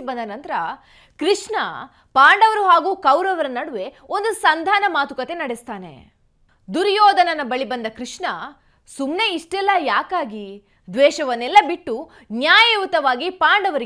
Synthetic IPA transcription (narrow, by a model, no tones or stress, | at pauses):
ibɐnd̪ɐnɐnt̪ɐɾɐ | kɾiʂɳɐ | paːɳɖɐʋɐɾuɦaːɡuːkɐwɾɐʋɐɾɐnːɐɽuʋe̞o̞nd̪usɐnd̪ʱaːnɐmaːt̪ukɐt̪enɐɽest̪aːne̞̰ | d̪uɾjoːd̪ɐnɐnɐbɐɭibɐnd̪ɐkɾiʂɳɐ | sumne̞iʂʈɛlːɐjaːkaːɡi | d̪ʋɛːʃɐʋɐnːɛlːɐbiʈːu | njaːjɐut̪ɐʋaːɡipaːɳɖɐʋɐɾi